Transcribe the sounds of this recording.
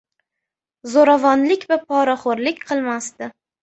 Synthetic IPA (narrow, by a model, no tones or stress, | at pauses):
zoɾavɒnlɪkʲvapʰɒɾaχoɾlɪkʲqʰɨlˠmast̪ɪ